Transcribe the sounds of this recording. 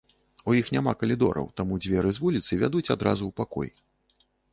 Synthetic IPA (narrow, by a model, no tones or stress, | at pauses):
ujixnʲamakɐlʲid̪ɔ̰ɾɐ̰wt̪amud͡zʲvʲɛɾɨzvulʲit̪sɨvʲad̪ut͡sʲad̪ɾa̰zuwpakɔ̰j